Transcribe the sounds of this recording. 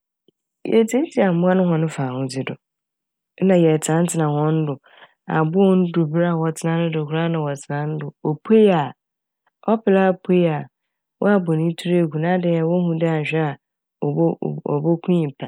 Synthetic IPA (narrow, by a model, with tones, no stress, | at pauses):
jɛ̰˨˦tʰẽ˦n˦tʰi˨˦a˨mʊ̃˦a˦nʊ̃˦hɔ̃˨nʊ̃˦faː˨hʊ̃˦d͡zɪ˨dʊ˨˦ | nã˨jɛ˨tʰã˨˦n̩˦tʰɪ˨nã˨hɔ̃˦n̩˦dʊ˨ | a̰˨bʊ˦ɔ˦n̩˦du˨bɾa˦˨wɔ˨tʰɪ˨nã˨˦nʊ̃˦dʊ˨kʊ˨ɾa˦nã˨wɔ˨tʰɪ˨nã˨n̩˦dʊ˨o˨pʰe˦ja˨ | ɔ˦pɪ˨la˦pʰe˦ja˨ | wʔɔ̰˦a˦bɔ˨nĩ˦tʰu˦ɾe˨ɡu˨nã˦dɪ˦a˨wɔ˦hũ˦dɪ˦a˨ɕᶣɛ˦a˨˦˨ | ɔ̰˨bo˦kʰũ˦ĩ˨pʰa˨